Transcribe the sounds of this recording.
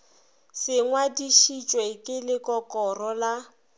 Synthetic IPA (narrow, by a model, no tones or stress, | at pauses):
sɪŋwadiʃit͡ʃʼwekʼɪlɪkʼɔkʼɔrɔla